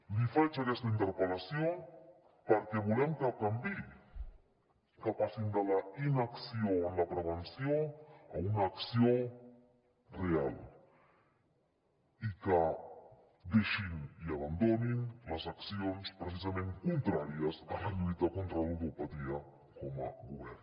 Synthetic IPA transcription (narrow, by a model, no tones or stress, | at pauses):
lifat͡ʃakɛst̪aint̪əɾpelasjo | pəɾkɛβulɛmkəkambi | kapasind̪alainaksionlapɾeβensjoaunaːksio | real | ika | d̪eʃiniaβand̪oninlazaksionspɾesizamẽŋkunt̪ɾaɾiasalaʎujt̪akont̪ɾaluðopat̪iɐ | kɔma̰ɡuβɛr